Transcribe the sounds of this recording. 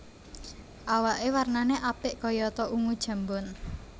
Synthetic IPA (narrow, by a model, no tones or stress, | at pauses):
ʔawaʔewarnaneʔapɪʔkɔjɔt̪ɔʔuŋud̥ʒ̥ä̤mbɔn